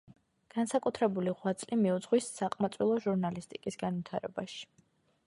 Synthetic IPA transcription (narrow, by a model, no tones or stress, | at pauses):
ɡ̥ansakʼut̪ʰɾɛbuliʁwat̪sʼlimiud̪zʁwisːaqʼmat̪sʼwilˠɔʒuɾnalist̪ʼikʼisɡanvwit̪ʰa̰ɾɛ̰baʃi̥